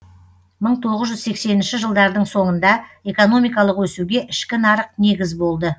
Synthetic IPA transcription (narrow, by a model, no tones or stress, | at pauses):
məɴt̪ʰo̞ʁəzʒʏzse̞kse̞nɪnʃɪʒəlˠd̪ɑɾd̪əɴso̞ɴənd̪ɑe̞ko̞no̞mijkɑlˠəqwɵsuɡʲe̞ʔɪʃkʲɪnɑɾəq̚ne̞ɡʲɪzbo̞lˠd̪ə